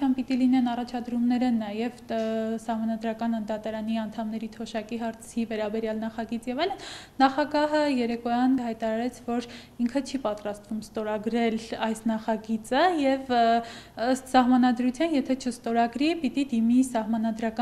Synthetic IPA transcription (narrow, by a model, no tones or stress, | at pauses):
jɑnpit̪ilinɛnɑrɑt͡ʃʰɑd̪ɾumnɛɾənɑjɛvsɑhmɑnɑd̪ɾɑkɑnənd̪ɑt̪ɑɾɑniɑnt̪ʰɑmnɛɾit̪ʰɔʃɑkiɦɑɾt͡sʰivɛɾɑbɛɾjɑlnɑχɑɡit͡sjɛvɑjlənː | ɑχɑɡɑɦəjɛɾɛkɔjɑnhɑjt̪ɑɾɑɾɛt͡sʰvɔɾ | iŋkʰət͡ʃʰipɑt̪ɾɑst̪vumst̪ɔɾɑɡɾɛlɑjsnɑχɑɡit͡səjɛv | əst̪sɑɦmɑnɑd̪ɾut͡sʰjɑnjɛt̪ʰɛt͡ʃʰəst̪ɔɾɑɡɾipit̪id̪imisɑhmɑnɑd̪ɾɑkɑ